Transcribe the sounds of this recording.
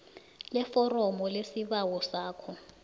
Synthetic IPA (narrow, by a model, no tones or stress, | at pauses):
lɛfɔrɔmɔlesiɓawɔsaːkʰɔ